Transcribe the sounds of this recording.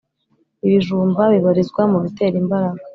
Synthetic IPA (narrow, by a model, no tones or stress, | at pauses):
iβiʒuːmbaβiβaɾizɡwamuβite̞ːɾimbaɾaɡa